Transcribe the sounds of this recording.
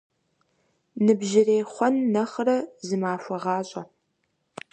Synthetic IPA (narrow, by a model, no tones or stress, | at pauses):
nɨbʒɪreːχʷɔnːɐχɾɐzɨmaːfɐʁɑːɕʼɐ